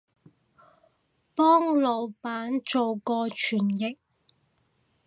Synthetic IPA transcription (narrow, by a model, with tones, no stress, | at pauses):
pɔː˥ŋlo˨˧wpaː˨˥nt͡ʃo˨wkɔː˧t͡ʃʰyː˨˩njɪ˨k̚